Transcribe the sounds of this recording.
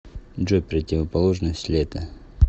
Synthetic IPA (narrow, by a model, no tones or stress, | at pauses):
ʐopɾətʲɪvəpɐlˠoʐnəsʲtʲlʲet̪ə